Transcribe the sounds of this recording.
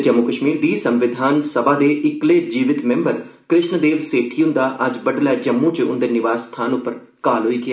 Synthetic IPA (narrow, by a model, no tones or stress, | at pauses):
d͡ʒəmːukəʃmiːɾd̪iːsə̃mʋɪd̪ʱaːnsəbaːd̪eːʔɪkleːd͡ʒiːʋɪt̪mɛ̃mbəɾ | kɾɪʃɳəd̪eːʋseːʈʰiːʊ̃nd̪aːʔɐd͡ʒbəɖlɛːd͡ʒəmːũːt͡ʃəʊ̰̃nd̪eːnɪʋaːst̪ʰaːnʊpːəɾ | kaːlɦoːiːkɪ